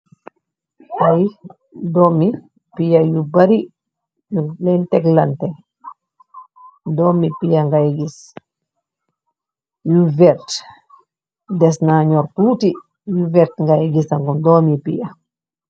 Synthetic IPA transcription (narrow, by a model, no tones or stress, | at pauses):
ʔaj | dɔmi | pijajubaɾi | julɛntɛklantɛ | dɔmipijaŋɡajɡis | juvɛɾt | dɛsnaɲɔɾtuːti | juvɛɾtŋɡajɡisaŋkɔndɔmipḭja